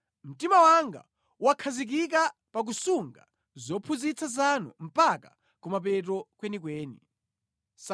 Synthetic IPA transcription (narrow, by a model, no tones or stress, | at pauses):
m̩timawaŋɡa̰ | wakʰazik̬ik̬a | pak̬usuŋɡa̰ | zɔpʰuzit͡sʰazanṵm̩paka | kumap̬ɛtɔkwɛnik̬wɛːnḭ | s